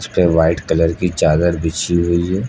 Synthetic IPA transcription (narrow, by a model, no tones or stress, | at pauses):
d͡ʒpeʋaːɪʈkɐləɾkit͡ʃaːd̪əɾbɪt͡ʃiɦoiɦɛː